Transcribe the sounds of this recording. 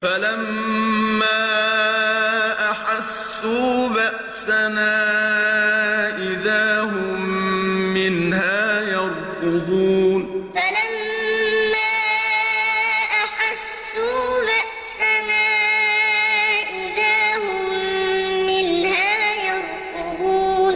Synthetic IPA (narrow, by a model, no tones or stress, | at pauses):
falamː | aː | ʔaħasːuːbaʔsanaː | ʔɪðaːɦʊmː | ɪnhaːjɑɾˤtʊd̪uːnfalamː | aː | ʔaħasːuːbaʔ | sanaː | ʔɪðaːhʊmː | ɪnhaːjɑɾt̪ʊd̪uːn